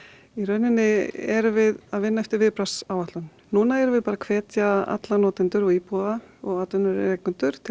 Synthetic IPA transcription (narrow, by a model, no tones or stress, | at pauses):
irœɥnɪnːɪɛɾvɪðaðvɪnːaɛft̪ɪɾvɪːpɾasawaht̪lʏn | nuːnaɛɾvɪðpaːɾakʰvɛːt̪jaa̰t̪lanɔːt̪ɪnt̪ʏɾɔɣiːpɔðaɔɣat̪ʏnːʏɾɪ̰ɾejkʏnt̪ʏɾ̥t̪ʰ